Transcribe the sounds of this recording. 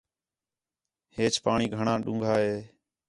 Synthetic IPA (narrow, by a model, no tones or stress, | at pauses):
heːt͡ʃpaːɳiːɡʱəɳãːɗʊ̃ːŋɡʱaːɦeː